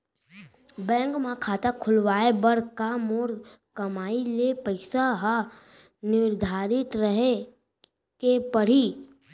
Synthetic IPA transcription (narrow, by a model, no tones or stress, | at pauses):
bɛ̃ːŋkmakʰaːt̪akʰʊlʋaːebəɾkaːmoːɾ | kɐmaːilepəɪsaɦa | nɪɾd̪ʱaːɾɪt̪ɾəɦe | kepəɽ̤i